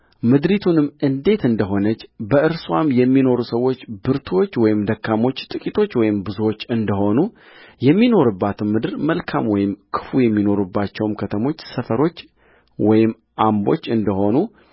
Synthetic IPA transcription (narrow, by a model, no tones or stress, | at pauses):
mɨd̪ɾit̪ʰunɨmːɨnd̪e̞t̪ɨnd̪əɦo̞nət͡ʃːbəɨɾswamjɛmːino̞ɾusəwːo̞t͡ʃːbɨɾt̪ʰo̞t͡ʃːwɔjɪmd̪əkʰːamo̞t͡ʃːt̪ʼɨkʼit̪ʰo̞t͡ʃːwɔjɪmbɨzuwot͡ʃːɨnd̪əɦo̞nu | jɛmːino̞ɾɨbːat̪ʰɨmmːɨd̪ɨɾməlkʰamwɔjɪmkʰɨ̥fujɛmːino̞ɾubːat͡ʃːɛwmkʰət̪ʰəmo̞t͡ʃːsəfəɾo̞t͡ʃː | wɔjɪmː | ʔambo̞̰t͡ʃːɨnd̪əho̞nu